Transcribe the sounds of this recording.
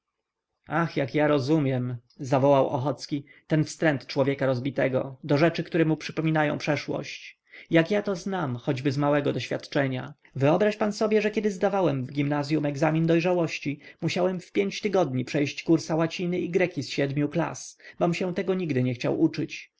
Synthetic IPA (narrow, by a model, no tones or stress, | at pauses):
axjakjaɾɔzumʲjɛm | zavɔwawʔɔ̰xɔt̪skʲit̪ɛnfst̪ɾɛnt̪t͡ʂwɔvʲjɛkaɾɔzbʲit̪ɛɡɔ̰d̪ɔʐɛt͡ʂɘkt̪uɾɛmupʂɘpɔmʲinajɔ̰̃w̃pʂɛʂwɔ̰ɕt͡ɕ | jakjat̪ɔznamxɔd͡ʑbɘzmawɛɡɔd̪ɔɕfʲat̪t͡ʂɛɲa̰ | vɘɔbɾaʂpansɔbʲjɛʐɛkʲjɛd̪ɘzd̪avawɛmvɡʲimnazʲjumɛɡzamʲind̪ɔjʐawɔɕt͡ɕimuɕawɛmfpʲjeɲt͡ɕt̪ɘɡɔd̪ɲipʂɛjɕt͡ɕkuɾsawat͡ɕinɘiɡɾɛkʲisɕɛd̪mʲjukla̰sbɔmɕɛ̃t̪ɛɡɔɲiɡd̪ɘɲɛxt͡ɕa̰wut͡ʂɘt͡ɕ